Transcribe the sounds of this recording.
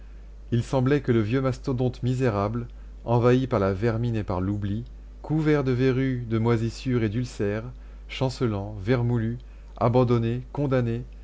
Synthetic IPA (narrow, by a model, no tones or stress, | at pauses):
ilsɑ̃blɛkələvjømast̪od̪ɔ̃t̪mizeʁabl | ɑ̃vaipaʁlavɛʁminepaʁlubli | kʰuvɛʁd̪əveʁyd̪əmwazisyʁed̪ylsɛːʁ | ʃɑ̃səlɑ̃vɛʁmuly | a̰bɑ̃d̪ɔnekɔ̃d̪ane